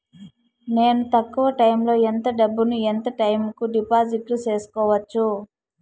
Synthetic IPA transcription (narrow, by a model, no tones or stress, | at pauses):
ne̞ːnut̪ɐkːuʋɐʈɐjmlo̞ːent̪ɐɖɐbːunuent̪ɐʈɐjmkuɖipaːd͡ʒiʈlut͡ʃe̞ːsu̥kɔːʋɐt͡ʃːu